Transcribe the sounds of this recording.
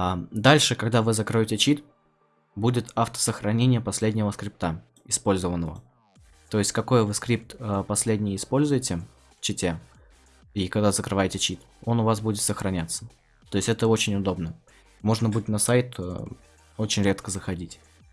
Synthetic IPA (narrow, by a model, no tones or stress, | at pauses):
d̪alʲʂɨkɐɡd̪avɨzɐkɾojotʲɪt͡ɕit̪ | budʲɪt̪aft̪ə̥səxɾɐnʲenʲɪjəpɐsʲlʲedʲnʲɪvəskɾʲip̚t̪a | ɪspo̞lʲzəvənːəvə̰ | t̪o̞ɪsʲtʲkɐko̞jvɨskɾʲip̚t̪əpɐsʲlʲedʲnʲɪjɪspo̞lʲzʊjɪtʲɪ | t͡ɕɪtʲe | ikɐɡd̪azəkɾɨvajɪtʲɪt͡ɕit̪ | o̞nʊvas̬budʲɪt̪səxɾɐnʲat̪sə̥ | t̪oɪsʲtʲɛt̪əo̞t͡ɕɪnʲʊd̪o̞bnə | mo̞ʐnəbudʲɪt̪nɐsajt̪ə | o̞t͡ɕɪnʲɾʲet̪kəzəxɐdʲitʲ